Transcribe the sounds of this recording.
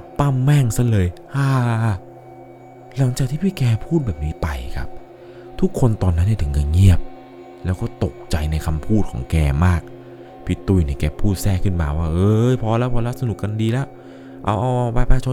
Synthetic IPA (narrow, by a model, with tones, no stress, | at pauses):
t̪a˥˩mːɛ˥˩ŋsa˧˥˩lɤː˧jʔaː˧˩ | la˨˩˦ŋt͡ɕaː˨˩k̚t̪ʰiː˥˩pʰiː˥˩kɛː˧pʰuː˥˩t̪̚bɛː˨˩p̚niː˦˥t̪a˧jkʰa̰˦˥p̚ | t̪ʰu˦˥kʰːo˧nt̪ɔː˧nːa˦˥nːi˥˩t̪ʰɯ˩˦ŋkaː˧ŋi˥˩əp̚ | lɛː˦˥wkɔː˥˩t̪o˨˩k̚t͡ɕa˧jna˧jkʰa˧mpʰuː˥˩t̪̚kʰɔ̰ː˩˦ŋkɛː˧maː˥˩k̚ | pʰiː˧˩t̪u˧˩jni˧˩kɛː˧pʰuː˥˩t̪̚sɛː˥˩kʰɯ˥˩nmaː˧waː˥˩ʔɤː˧jpʰɔː˧lɛː˦˥˩pʰɔː˧lɛ˦˥wsa˧nu˨˩kka˧ndiː˧lɛː˦˥w | ʔa˧˩wʔɔː˧ʔpaː˧˩jpaː˧˥jt͡ɕʰo˧